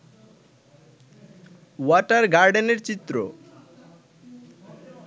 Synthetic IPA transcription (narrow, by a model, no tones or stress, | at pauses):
waʈaɾɡaɾɖeneɾt͡ɕit̪ːɾo̰